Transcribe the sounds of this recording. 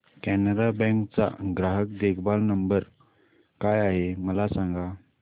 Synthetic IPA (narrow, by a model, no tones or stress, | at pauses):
kɛnəɾabɛ̃ŋkt͡sa̰ɡɾaɦəkd̪ekʰbalnəmbəɾ | kajaɦeməlasãŋɡa